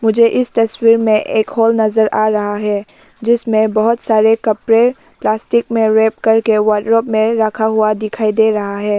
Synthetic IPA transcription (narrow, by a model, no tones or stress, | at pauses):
mʊd͡ʒʱeʔɪst̪ɐswiːɾmẽʔeːkhɔːlnɐzəɾaːɾɐɦaɦɛː | d͡ʒɪsmẽbɐɦʊt̪saːɾekɐpɾe | plaːsʈɪkmẽɾeːp̚kɐɾkeʋaʈɾoːpmẽɾɐkʰaɦʊad̪ɪkʰaːid̪eːɾɐɦaɦɛː